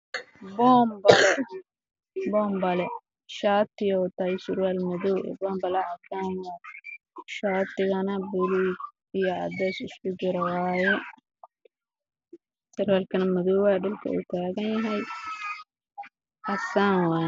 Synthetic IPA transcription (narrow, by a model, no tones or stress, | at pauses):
bɔːmbɐlɛ | bɔːmbɐlɛ | ʃaːt̪ɪjɔwt̪ajɪsʊrwaːlmɐðɔwɛ̰bɔːmbɐlɐʔɐsaːnwa | ʃaːt̪ɪɣɐnɐbɪli | ɪjɐɐ̰d̪ɛːsɪskʊd͡ʒɪɾɐwaːjɛ | sɐrwaːlkʰɐnɐmɐðɔwwaːɖɐlkʰɐ̰ṵːt̪ʰaːɣɐnjɐɦɐj | ʔɐsaːnwaːj